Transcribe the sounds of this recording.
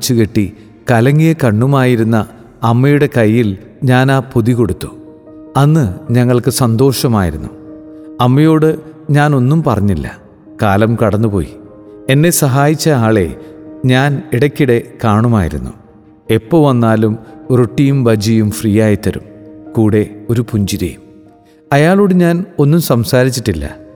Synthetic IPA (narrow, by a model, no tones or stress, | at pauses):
t͡ɕːukeʈːi | kɐlɐŋːijɐkɐɳːumaːjiɾunːɐ | ɐmːɐjuɽe̞kɐjːil | ɲaːnaːpuðiko̞ɽut̪ːu̥ | ɐnːɨɲɐŋːɐɭkɨsɐnd̪o̞ːʂɐmaːjiɾunːuɐmːɐjo̞ːɽɨɲaːno̞nːumpɐrɐɲːilːɐ̰ | kaːlɐmkɐɽɐnːupo̞̰ːji | e̞nːe̞sɐɦaːjit͡ɕːɐaːɭe̞̰ɲaːniɽɐkʲːiɽe̞kaːɳumaːjiɾunːu | e̞pːo̞ːʋɐnːaːlumruʈːijumʋɐd͡ʑijumfriːjaːjit̪ːɐɾṵmkuːɽe̞o̞ɾupuɲd͡ʑiɾɐ̰jum | ɐjaːɭo̞ːɽɨɲaːno̞nːumsɐmsaːɾit͡ɕːiʈːilːɐ̰